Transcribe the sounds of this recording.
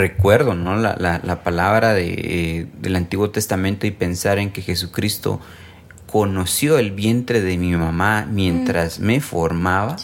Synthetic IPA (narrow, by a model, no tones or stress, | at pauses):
rekwe̞ɾðo̞no̞la̰lalapalaβɾaðḛeðe̞̰lant̪iɣwo̞t̪e̞st̪amẽnt̪oipe̞nsaɾeŋke̞xe̞s̬ukɾist̪o̞̰ | ko̞no̞sjo̞elβje̞nt̪ɾe̞ðemimamamje̞nt̪ɾasme̞fo̞ɾmaβa